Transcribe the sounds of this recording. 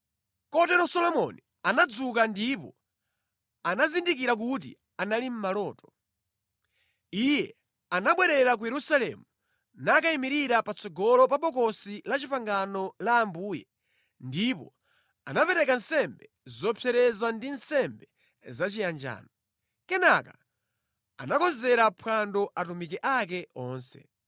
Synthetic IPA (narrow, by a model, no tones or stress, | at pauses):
kɔtɛɾɔsɔlɔmɔ̰ni | anad͡zukandipɔ | anazindikiɾak̬utḭ | analim̩malɔːtɔ̥ | ijɛ | anaɓwɛɾɛɾak̬ujɛɾusalɛ̰mu | nakaimiɾiɾapat͡sɔɡɔlɔpaɓɔkɔsilat͡ʃipaŋɡanɔlaːmbuːjɛ | ndipɔ̰ | anapɛɾɛkansɛmbɛ | zɔpʰɛɾɛzandinsɛmbɛ | zat͡ʃijand͡ʒa̰ːnɔ | kɛnaka | a̰nakɔzɛɾapʰwandɔʔatumikɛʔak̬ɛɔːnsɛ̰